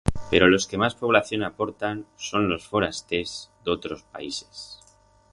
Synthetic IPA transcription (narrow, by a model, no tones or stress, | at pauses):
pe̞ɾo̞lo̞ske̞maspo̞β̞laθjo̞napo̞ɾt̪anso̞nlo̞sfo̞ɾast̪e̞zd̪o̞t̪ɾo̞spa̰ise̞̥s